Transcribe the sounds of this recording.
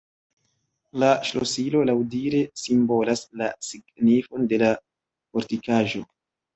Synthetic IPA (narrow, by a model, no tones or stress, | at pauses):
laʃlo̞silo̞lawdiɾe̞simbo̞laslasiɡnifo̞nde̞la | fo̞ɾtikaʒo̞